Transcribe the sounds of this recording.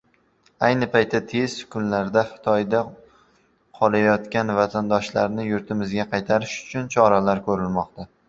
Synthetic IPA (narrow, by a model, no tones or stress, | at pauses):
ajnɪpʰajt̪ʰːat̪ʰe̞z̥kʲʰʊnlaɾd̪aχɪ̥t̪ʰɒjd̪a | qʰɒlˠajɒt̪kʲanvat̪ʰand̪ɒʃlaɾnɪjʊɾt̪ʰɪmɪzɡʲaqʰɑjt̪ʰaɾɪʃʊ̥t͡ʃʰʊnt͡ʃʰɒɾalaɾkʰɵɾɪlmɒqt̪a